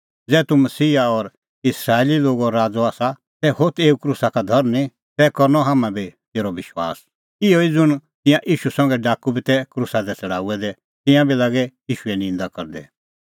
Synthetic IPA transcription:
d͡zɛːt̪umɐsiːaɔɾ | ɪsɾaːeliloːɡɔɾaːd͡zɔaːsa | sɛhot̪eːukɾusakad̪ʱɐɾnĩ | t̪ɛkɔɾnɔɦaːmãbʱit̪eːɾɔʋɪʃwa̰ːs | ɪoid͡zʊɽ̃t̪ɪ̃jãʔiːʃusɐ̃ŋɡɛɖaːkubit̪ɛkɾusad̪ɛt͡sɐɽaːuɛd̪ɛ | t̪ɪ̃jãbilaːɡɛiːʃuɛnɪ̃nd̪akɐɾd̪ɛ̰

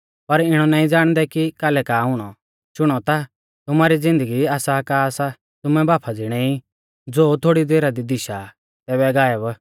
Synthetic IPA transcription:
pɐɾɪɽ̃ɔnãːĩd͡zaːɽ̃d̪ɛkikaːlɛkaːɦʊɽ̃ɔ | ʃʊɽ̃ɔt̪a | t̪ʊmaːɾid͡zɪ̃nd̪əɡiaːsakaːsa | t̪ʊmɛbaːpʰad͡zɪɽ̃ɛi | d͡zoːt̪ʰoːɽid̪eːɾad̪id̪ɪʃa | t̪ɛːbɛɡaːɛb

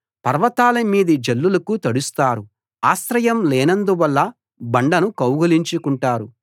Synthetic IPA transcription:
pɐɾʋɐt̪aːlɐmiːd̪id͡ʒɐlːulɐkut̪ɐɽust̪aːɾu | aːsɾɐjɐmlɛːnɐnd̪uʋɐlːɐ | bɐɳɖɐnukɐwɡɐliɲt͡ʃukuɳʈaːɾu

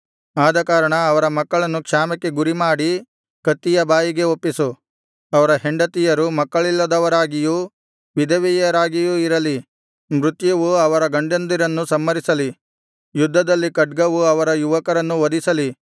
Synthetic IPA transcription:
aːd̪ɐkaːɾɐɳɐːʋɐɾɐmɐkːɐɭɐnːukʂaːmɐkːe̞ɡuɾimaːɽi | kɐt̪ːijɐbaːjiɡe̞opːisu | ɐʋɐɾɐɦe̞ɳɖɐt̪ijɐɾumɐkːɐɭilːɐd̪ɐʋɐɾaːɡiju | ʋid̪ʱɐʋijɐɾaːɡijuiɾɐli | mɾut̪jɐʋuɐʋɐɾɐɡɐɳɖend̪iɾɐnːusɐmːɐɾisɐli | jud̪ʱːɐd̪ɐlːikɐʈɡɐʋuɐʋɐɾɐjuʋɐkɐɾɐnːuʋɐd̪isɐli

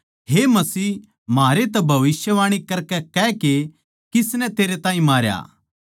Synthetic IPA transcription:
ɦemɐsiː | maːɾet̪̬ɐbʱɐʋɪsjəʋaːɽ̃ikɐɾkɛkɛke | kɪsnɛ̃t̪eːɾet̪ãːĩmaːɾja̰ː

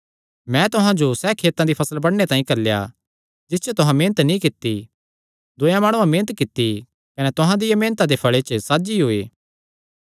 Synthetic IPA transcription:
mɛ̃t̪ʊɦãd͡ʒosɛːkʰeːt̪ãd̪ipʰɐsəlbɐɽnet̪aːĩkɐɾleja̰ | d͡ʒɪst͡ʃʰot̪ʊɦãmẽːnət̪nĩkɪt̪ːi | d̪ʊjãmaːɽ̃ũãmẽːnət̪kɪt̪ːi | kɐnɛt̪ʊɦãd̪ɪjɐmẽːnət̪ãd̪epʰɐɭet͡ʃəsaːd͡ʒiɦoːeː

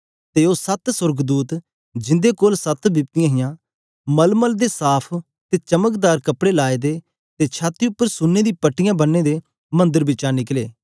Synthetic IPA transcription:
t̪eːoːsət̪sʊɾɡd̪uːt̪ | d͡ʒɪ̃nd̪ekoːlsət̪bɪpt̪ɪjãːɦɪjãː | məlməld̪esaːpʰ | t̪eːt͡ʃəməkd̪aːɾkəpɽeːlaːed̪eː | t̪et͡ʃʰaːt̪ːiʊpːəɾsʊnːeːd̪iːpəʈːɪjãːbənːeːd̪eː | mə̃nd̪əɾbɪt͡ʃãːnɪkleː

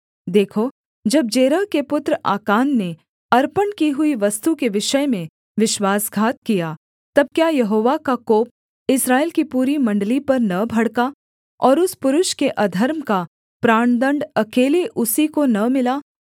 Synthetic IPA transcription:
d̪eːkʰo | d͡ʒɐb̚d͡ʒeːɾəːkepʊt̪ɾa̰ːkaːnːe | ɐɾpənkiɦʊiʋɐst̪ukeʋɪʃəmẽ | ʋɪʃwaːsɡʱaːt̪̚kija | t̪ɐb̚kjaːjɐɦoːʋakakoːp̚ | ɪsɾaːeːlkipuːɾimɐ̃ɳɖlipɐɾnɐbʱɐɽka | ɔːɾʊspʊɾʊʃkeʔɐd̪ʱəɾmka | pɾaːɳ̃d̪ə̃ɳɖɐkeːleʔʊsikonɐmɪlaː

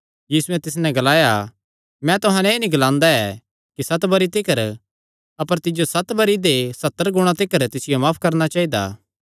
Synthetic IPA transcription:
jiːsuɛ̃t̪ɪs̬nɛ̃ɡɐlaːja | mɛ̃t̪ʊɦãnɛeːnĩɡɐlãːnd̪aɛ | kisɐt̪bɐɾit̪ɪkəɾ | ɐpəɾt̪ɪd͡ʒjosɐt̪bɐɾid̪esɐt̪ːəɾɡʊɽ̃at̪ɪkəɾt̪ɪsɪjomaːpʰkɐɾnat͡ʃaːid̪a̰ː

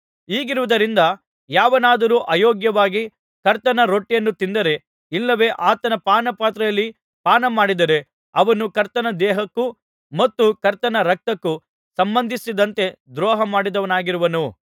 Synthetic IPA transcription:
iːɡiɾuʋud̪ɐɾind̪ɐ | jaːʋɐnaːd̪ɐɾuːʔɐːjɔːɡjɐʋaːɡi | kɐɾt̪ɐnɐɾo̞ʈːijɐnːut̪ind̪ɐɾe̞ | ilːɐʋe̞ːʔaːt̪ɐnɐpaːnɐpaːt̪ɾɐjɐlːi | paːnɐmaːɽid̪ɐɾe̞ | ɐʋɐnukɐɾt̪ɐnɐd̪ɛːɦɐkːu | mɐt̪ːukɐɾt̪ɐnɐɾɐk̚t̪ɐkːu | sɐmbɐnd̪ʱisid̪ɐnt̪e̞d̪ɾɔːɦɐmaːɽid̪ɐʋɐnaːɡiɾuʋɐnu

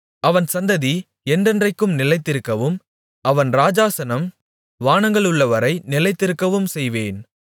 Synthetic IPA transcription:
ɐʋɐnsɐnd̪ɐði | ɛndɛndrɐɪkːɯmnɪlɐɪt̪ːɪɾɯkːɐʋɯm | ɐʋɐnɾaːd͡ʒaːsɐnɐm | ʋaːnɐŋɡɐɭɯɭːɐʋɐɾɐɪnɪlɐɪt̪ːɪɾɯkːɐʋɯmsɛjʋeːn

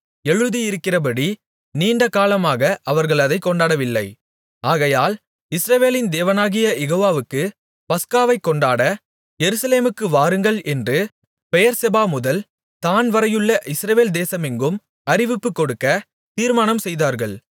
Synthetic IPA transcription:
ɛɻɯðijɪɾɯkːɪrɐp̬ɐɽi | niːɳɖɐkaːlɐmaːɣɐʔɐʋɐɾɣɐɭɐðɐɪkːɔɳɖaːɽɐʋɪlːɐ̰ɪ | aːɣɐjaːl | ɪsɾɐʋeːlɪnd̪eːʋɐnaːɣɪjɐjɛɣoːʋaːʋɯkːɯ | pɐskaːʋɐɪkːɔɳɖaːɽɐ | jɛɾɯsɐleːmɯkːɯʋaːɾɯŋɡɐɭɛndrɯ | pɛjɐɾsɛbaːmʊðɐl | t̪aːnʋɐɾɐjɯɭːɐʔɪsɾɐʋeːld̪eːsɐmɪŋɡɯm | ɐɾɪʋɪpːɯkːɔɽɯkːɐ | t̪iːɾmaːnɐmsɛjðaːɾɣɐɭ

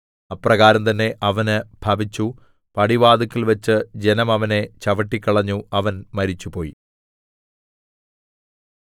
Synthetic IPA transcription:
ɐprɐɣaːɾɐmt̪ɐnːe̞ʔɐʋɐnɨbʱɐbit͡ɕːu | pɐɽiʋaːd̪ɐkːilʋɐt͡ɕːɨd͡ʑe̞nɐmɐʋɐne̞t͡ɕɐʋɐʈːikʲːɐɭɐɲːuɐʋɐnmɐɾit͡ɕːupo̞ːji

